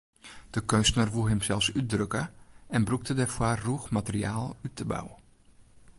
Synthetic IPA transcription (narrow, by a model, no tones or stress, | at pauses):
d̥əkønstənərʋulˠɦɪmsɛlˠfsydrøkəɛnbruk̚tədɛrfwarruxmatəriaːlˠytʰəba̰wə